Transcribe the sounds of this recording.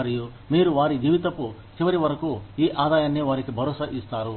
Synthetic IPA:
ɾjo | meːɾuʋaɾid͡ʒiʋit̪ɐpo | sʰeʋɐɾiʋɐɾkojeʔad̪ajɐnːjeʋaɾikʰibʱʌɾosaʔist̪aɾo

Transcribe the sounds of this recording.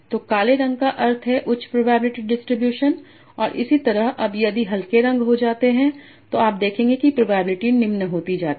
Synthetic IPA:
t̪oːkaːleɾɐ̃ŋɡkaʔɐɾt̪ʰɦɛʔʊt͡ʃʰpɾoːbaːbɪlɪʈiɖɪsʈɾɪbjuːʃən | ɔːɾʔɪ̰sit̪ɐɾəɦɐbjɐd̪iɦɐlkeɾɐ̃ŋɡɦod͡ʒaːt̪eɦɛ̃ | t̪oaːp̚d̪eːkʰẽːŋɡekipɾoːbaːbɪlɪʈinɪ̃mnɐɦoːt̪id͡ʒaːt̪i

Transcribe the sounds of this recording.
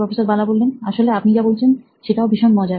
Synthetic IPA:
ɔfesoɾbalabolbenaʃoleapnid͡ʑabolt͡ɕʰen | ʃeʈaobiʃonmɔd͡ʑa

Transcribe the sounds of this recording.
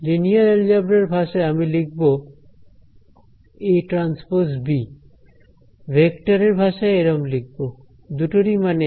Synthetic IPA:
linijaɾeɾd͡ʑabɾeɾbʱaʃaeamilik̚bo | eʈɾanspoɾsbi | bʱekʈaɾeɾbʱaʃaeeɾɔmlik̚bo | d̪uʈoɾimane

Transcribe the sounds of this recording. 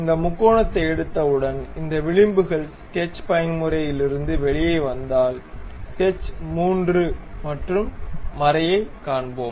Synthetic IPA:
ɪnd̪ɐmʊkːoːɳɐt̪ːɐɪɛɽɯt̪ːɐʋɯɽɐnɪnd̪ɐʋɪɭɪmbɯɣɐɭskɛt͡ʃːpɐjɐnmʊɾɐjɪlɪɾɯnd̪ɯʋɛɭɪjɐɪʋɐnd̪aːlskɛt͡ʃːmuːndrɯmɐʈrɯmːɐɾɐjɐɪkːaːɳboːm

